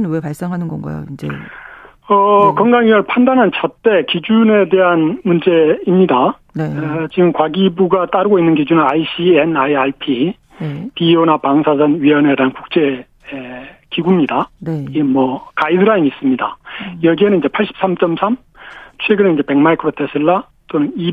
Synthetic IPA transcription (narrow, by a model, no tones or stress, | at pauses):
nwe̞paɭs͈eŋɦanɯnɡʌnɡa̰jo̰ind͡ʑe̞̰ | ʌkʌŋɡaŋɥiʌɭpʰandanɦant͡ɕʰat͈e̞kid͡ʑune̞de̞ɦanmund͡ʑe̞imɲida | net͡ɕiɡɯmkwaɡibuɡat͈aɾɯɡoinːɯnkid͡ʑunɯaiɕ͈ienajaɭpʰi | pionapaŋsʰasʰʌnɥiʌne̞deɦankuk̚t͡ɕ͈e̞ | ekiɡumɲidaiemʌkaidɯɾaimis͈ɯmɲida̰jʌɡienɯniɲd͡ʑe̞pʰaɭɕ͈ʰi̥p̚s͈amt͡ɕ͈ʌmsʰam | t͡ɕʰweɡɯnɯnid͡ʑe̞pe̞ŋmaikʰɯɾotʰesʰɯɭːa | t͈onɯni